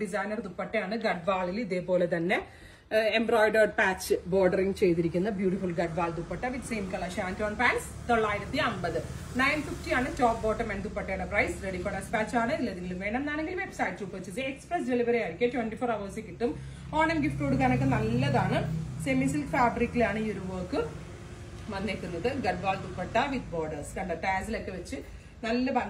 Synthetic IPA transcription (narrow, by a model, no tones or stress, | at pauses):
ɖis̬ajnɐrt̪upːɐʈːejaːɳɨɡɐɖ̚ʋaːɭiliðe̞ːpːo̞ːle̞t̪ɐnːe | embro̞ːjɖɐrɖpaːt͡ɕːɨbo̞ːɖɐriŋɡɨt͡ɕe̞jt̪iɾikʲːunːɐbjuːʈifulɡɐɖ̚ʋaːɭt̪upːɐʈːɐʋit̪seːmkɐɭɐʃaːntoːnpaːns | t̪oɭːaːjiɾɐt̪ːiɐmbɐðɨnɐjnfiftiaːɳɨt͡ɕoːp̚boːʈːɐmɐnt̪upːɐʈːeːɳɖɐprɐjsreɽifɐɽɐspaːt͡ɕːaːɳɨilːɐɐðiŋɡilumʋe̞ːɳɐmnaːneŋɡilumebsaːjʈɾuːpːɐʋɐt͡ɕːisɨeksprɐsdeɭiʋɐɾijaːiɾikʲːɐtwʋenʈifoːɾɐʋɐsikʲːiʈːum | oːɳɐmɡifʈkuːɽɨkɐnɐkːenɐlːɐðaːɳɨsemisilfaːbɾikːilaːɳɨjuɾuʋoːkːɨ | mɐnːek̪ːunːɐðɨɡɐɖ̚baːlt̪upːɐʈːɐʋid̪boːɖɐrskɐɳɖɐʈaːs̬ilokːe̞ʋɐt͡ɕːɨ | nɐlːɐpɐ